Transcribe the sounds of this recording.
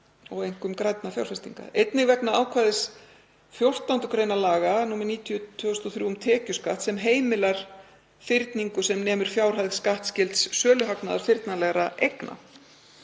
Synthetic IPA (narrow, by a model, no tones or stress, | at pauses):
ɔɣejŋ̥kʏmkɾajt̪̚nafja̰wɾ̥fɛst̪ḭŋka̰ejt̪nɪɣvɛknaaːwkʰvaːðɪs | fjowr̥t̪awnt̪ʏkɾeːjnalaːɣanuːmɛɾniːt̪ʰjʏt̪ʰœʏst̪ɔθɾjuːʏmt̪ʰɛːcʏskaht̪sɛmɦeːjmɪlaɾ̥ | fɪɾt̪niŋkʏ̥sɛmnɛːmʏɾ̥fjaːwr̥ɦaðɣskaht̪scɪlt̪sːœːlʏɦaknaðaɾ̥fɪɾt̪nalɛɣɾaʔejkna̰